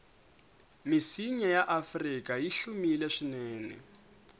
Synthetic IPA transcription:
misiɲajaʔafrikʼajiɬumilɛʂinɛːnɛ̰

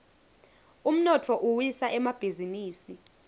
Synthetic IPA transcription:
um̩nɔtʰɔʔuwisaʔɛmab̥ʱiziniːsi

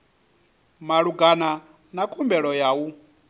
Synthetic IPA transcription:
maɺuɡana | nakʰʼumbɛɺɔjawu

